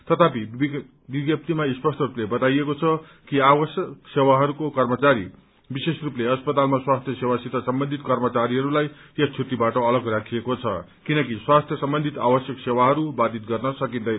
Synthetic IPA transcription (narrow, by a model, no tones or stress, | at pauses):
t̪ʌt̪ʰapi | biɡ̪jʌp̚t̪imaispʌsʈʌruplebʌt̪ajekot͡sʰʌ | kiawʌsjʌksewaɦʌɾukokʌrmʌt͡saɾḭ | bisesrupleʌspʌt̪almaswast̪ʰjʌsewasit̪asʌmbʌnd̪ʱit̪kʌrmʌt͡saɾiɦʌɾulajj̪ʌt͡sʰut̪ːibaʈʌːlʌɡrakʰiekot͡sʰʌ | kinʌkiswast̪ʰjʌsʌmbʌnd̪ʱit̪a̰bʌsjʌksewaɦʌɾubad̪it̪̚ɡʌrnʌsʌkind̪ʌj